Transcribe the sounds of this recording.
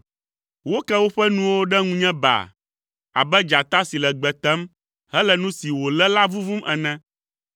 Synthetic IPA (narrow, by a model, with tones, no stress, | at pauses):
wo˦kɛ˦wo˦ɸɛ˦nũ˦wo˦ɖɛ˦ŋũ˦ɲɛ̃˦ba̰˨ | a̰˨bɛ˦d͡ʒa˨t̪a˦si˨lɛ˨ɡ͡bɛ˨t̪ɛ˦m | hɛ˦lɛ˨nũ˦si˨wo˨lɛ˦la˦vu˦vu˦mʔɛ˨nɛ̃˦